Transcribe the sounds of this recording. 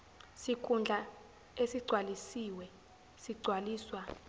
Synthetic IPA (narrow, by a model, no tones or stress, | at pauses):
sikʼund͡ɮʱa | esiɡ͡ǀʱwalisiwɛ | siɡ͡ǀʱwaliːswa